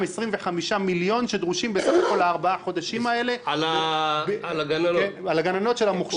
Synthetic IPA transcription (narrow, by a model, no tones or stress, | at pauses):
mesʁimveχamiʃamiljo̞nʃed̪ʁuʃimbesaχako̞laːʁbaaχo̞d̪aʃimae̞le̞la | aɡanalaɡanano̞tʃelamuχʃ